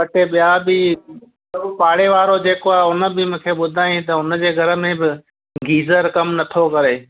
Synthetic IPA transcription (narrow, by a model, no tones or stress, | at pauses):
pɐʈeɓɪjabɪ | sɐbpaːɽeʋaːɾod͡ʑeːkoaɦʊnə̆bɪmũːkʰeːɓʊd̪ʱaːjĩt̪ɐʊnə̆d͡ʑeːɡʱɐɾə̆mẽbɪ | ɡiːzəɾkɐmnɐt̪ʰokɐɾeː